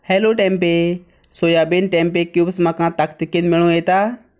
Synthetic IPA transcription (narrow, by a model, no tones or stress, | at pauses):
hɛːloːʈɛːmpeː | soːjaːbenʈɛːmpeːkjuːbsmãːkãːt̪əkt̪ɪkɪnmɪɭõːeːt̪aː